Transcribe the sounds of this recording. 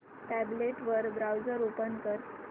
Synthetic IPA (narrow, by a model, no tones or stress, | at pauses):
ʈæbleʈʋəɾbɾawd͡zəɾopənkəɾ